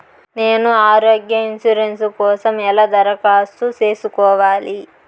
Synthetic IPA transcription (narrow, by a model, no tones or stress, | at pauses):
ne̞ːnuaːɾoːɡjɐinsuɾenskɔːsɐmɛlɐd̪ɐɾɐkaːst̪ut͡ʃe̞ːsukɔːʋaːli